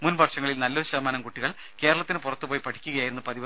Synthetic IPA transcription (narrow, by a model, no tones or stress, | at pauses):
munbʱɐrʂɐŋːɐɭilnɐlːoːɕɐmaːnɐmkuʈːiɣɐɭ | ke̞ːɾɐɭɐt̪ːinɨpurɐt̪ːɨpoːjpɐʈʰi̥kʲːuɣɐjaːjiɾunːupɐðib